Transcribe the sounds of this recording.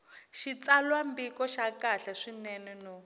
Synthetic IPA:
ʃit͡salwambikɔʃakaɬaʂinɛnɛnɔ

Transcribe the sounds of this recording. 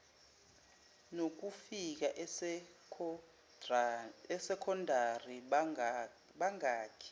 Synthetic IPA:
nok̬ufik̬aʔ | ɛsɛkʰɔndʱari | ɓaŋaːkʰɛ̥

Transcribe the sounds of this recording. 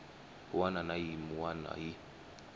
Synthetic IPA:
uwananajimuana̰ji

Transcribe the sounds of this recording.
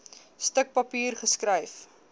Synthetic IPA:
stək̚pɐpiːrχəskrəjf

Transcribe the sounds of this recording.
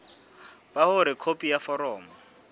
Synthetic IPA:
b̥ahʊɾɪkʰopʼijafɔɾɔːma

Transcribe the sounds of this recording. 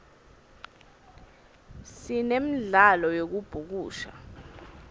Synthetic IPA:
sinem̩ɮalɔjok̬ub̥ʱuk̬uːʃa̰

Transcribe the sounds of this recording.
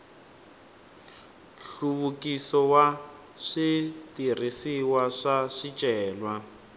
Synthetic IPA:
ɬuβukisɔwa | ʂitir̤isiwaʂaʂit͡ʃʼɛːlwa

